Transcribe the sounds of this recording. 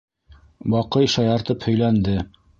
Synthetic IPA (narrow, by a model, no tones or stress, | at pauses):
bɑqɤjʃɑjɑɾt̪ɤphɵ̆jlænd̪ɘ